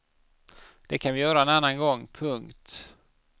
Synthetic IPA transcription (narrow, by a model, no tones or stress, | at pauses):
d̪̥ɛkʰanvɪjœːɾaɛnanːanɡɔŋːpʰɵŋkt̪